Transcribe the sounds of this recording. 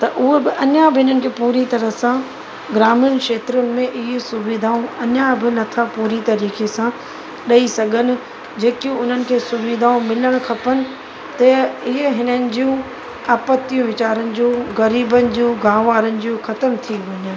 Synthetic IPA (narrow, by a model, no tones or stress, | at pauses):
t̪ɐʔʊɦebɪʔɐɲabɪɦɪnənɪ̆kʰeːpuːɾit̪ɐɾəsã | ɡɾaːmɪnkʃeːt̪ɾʊnɪ̆mẽʔɪɦesʊʋɪd̪ʱaːõɐɲabɪnɐt̪ʰapuːɾit̪ɐɾiːkesã | ɗɐisɐɡʱənɪ̆ | d͡ʑeːkiũʊn̤ənɪ̆kʰeːsʊʋɪd̪ʱaːõmɪləɽ̃kʰɐpənɪ̆ | t̪ɐɪɦeɦɪnənɪ̆d͡ʑiũ | aːpət̪ːijũʋɪt͡ɕaːɾənɪ̆d͡ʑũːɣɐɾiːbənɪ̆d͡ʑũːɡaːʋaːɾənɪ̆d͡ʑũːxɐt̪əmt̪ʰiʋɐɲənɪ̆